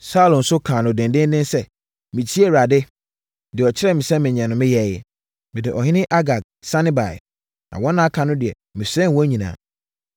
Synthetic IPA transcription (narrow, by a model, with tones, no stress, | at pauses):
sa˦lõ˨n̩˨sʊ˦kʰãː˨nʊ̃˨dɪ̃˨ndɪ̃˦n˦dɪ̃˦nsɛ˦ | mĩ˨t͡ɕʰi˦ɛ˦˨ɾa˨dɪ˦ | dɪ˨ɔ˨t͡ɕʰɪ˦ɾɛ˦˨mɪ̃˨sɛ̃˦mɪ̃˨ɲ˨ã˨nʊ̃˨mɪ̃˦jɛ˨jɛ˦ | mɪ̃˨dɪ˨ʔɔ˨ɦɪ̃˦nɪ̃˦ʔa˦ɡa˨k | sã˦nɪ̃˦ba˨ɪ̰˨ | nã̰˨wɔ̃˦nã˦kʰã˨nʊ̃˦dɪ˨ɛ˨ | mɪ̃˨sɛ̃˦n˨wɔ̃˦ɲĩ˨nã̰ː˨